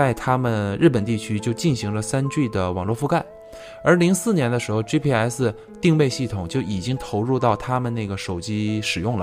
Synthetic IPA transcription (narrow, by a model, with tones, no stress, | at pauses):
a˥˧ɪt̪ʰa˥mə˨nɻ̩˥˩pə˨˩nt̪i˥˩t͡ɕʰy˥t͡ɕjo˥˧ʊt͡ɕi˥˩nɕi˧˥ŋlə˧sa˥nt͡ɕy˥˩d̪ə˩wɑ˨˩ŋlwɔ˥˧fu˥˧ka˥˩ɪ | ə˞˧˥li˧˥ŋsɹ̩˥˩njɛ˧˥nd̪ə˧ʂɻ̩˧˥xo˧ʊʈ͡ʂi˥pʰi˥˧a˧˥ɪs̩˥˧ | t̪i˥˧ŋwe˥˧ɪɕi˥˩t̪ʰʊ˨˩ŋt͡ɕjo˥˩ʊʔi˨˩t͡ɕi˥ŋt̪ʰo˧˥ʊɻu˥˧t̪ɑ˥˩ʊt̪ʰa˥mə˨nna˥˩ɡə˩ʂo˨˩ʊt͡ɕi˥ʂɻ̩˨˩jʊ˥˩ŋlə̰˩